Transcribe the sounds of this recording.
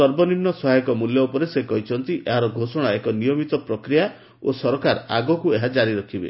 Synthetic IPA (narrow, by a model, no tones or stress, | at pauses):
sɔɾbɔninːɔsɔɦajɔkɔmuljɔupɔɾesekɔɦit͡ʃʰɔnt̪iʔeɦaɾɔɡʱosɔɽ̃aekɔnijɔmit̪ɔpɾɔkɾija | osɔɾɔkaɾa̰ɡɔkueɦad͡ʒaɾiɾɔkʰibḛ